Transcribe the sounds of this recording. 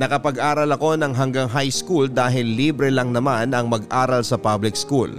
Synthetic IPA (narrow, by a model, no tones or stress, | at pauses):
nɐkɐpɐɡʔaːɾɐlɐko̞nɐŋɦɐŋɡaŋɦajskuld̪aːɦɪlːiːbɾɛlɐŋnɐmanɐŋmɐɡʔaːɾɐlsɐpablɪkskul